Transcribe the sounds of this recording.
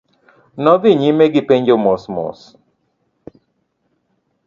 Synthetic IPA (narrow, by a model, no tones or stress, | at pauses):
nɔviɲimeɡipeɲd͡ʒomosmɔ̰s